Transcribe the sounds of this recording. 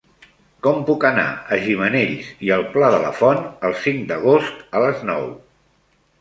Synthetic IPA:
kɔmpukəna̰əʒiməneʎsiəlˠplaðələ̰fɔnəlˠsiŋd̪əɣ̞ost̪ələznɔ̰w

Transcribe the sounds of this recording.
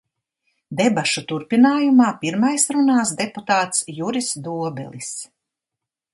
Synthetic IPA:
d̪ebaʃut̪uɾpinaːjumaːpiɾmajsɾunaːsd̪eput̪aːt̪sjuɾisd̪uɔbɛ̰lˠis

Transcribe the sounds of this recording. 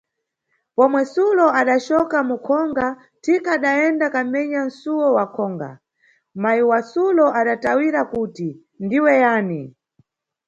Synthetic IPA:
pɔmwɛsulɔaɗat͡ʃɔkamukʰɔŋɡa | tʰikaːɗaɛndakam̩mɛɲan̩suwɔwakʰɔːŋɡa̰ | majiwasulɔʔaɗatawiɾakuti | ndiwɛjaːni

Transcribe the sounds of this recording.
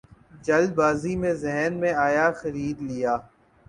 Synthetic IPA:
d͡ʒɐlbaːzimẽzɛɦnmẽaːjaːxɐɾiːd̪lɪjaː

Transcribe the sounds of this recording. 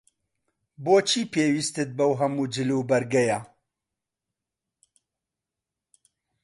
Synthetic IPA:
boːt͡ʃʰiːpeːwiːst̪ɨt̪̚bɐwɦɐmuːd͡ʒɨluːbɐɾɡɛja

